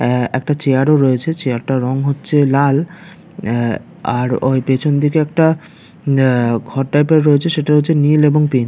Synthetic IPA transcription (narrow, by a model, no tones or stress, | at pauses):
ɛk̚ʈat͡ɕeaɾoɾoet͡ɕʰet͡ɕeaɾʈaɾɔŋɦotːɕʰelal | aɾojpet͡ɕʰond̪ikeɛk̚ʈa | ɡʱɔɾʈajpeɾɾoet͡ɕʰeʃeʈaɦot͡ɕʰenileboŋpin